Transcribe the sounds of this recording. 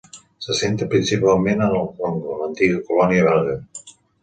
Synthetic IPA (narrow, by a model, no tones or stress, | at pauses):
səsent̪əpɾinsipalˠmenənəlˠkloŋɡolənt̪iɣəkulɔniəβɛlɣə